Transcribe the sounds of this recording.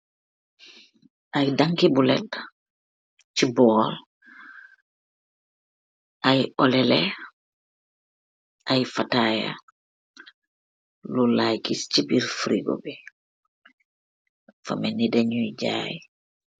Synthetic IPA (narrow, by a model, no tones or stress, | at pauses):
ʔajdaŋkibulɛ̰l | cibɔːl | ʔajɔlɛlɛ | ʔajfataːja̰ | lulajkist͡ʃipiɾfɾiɡo̰bi | fa̰mɛnidaɲujɟa̰ːj